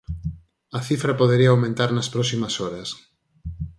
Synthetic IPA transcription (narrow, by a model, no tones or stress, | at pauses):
ɐθifɾɐpoðeɾiɐːwmẽnt̪aɾnɐspɾɔsimɐsɔɾɐs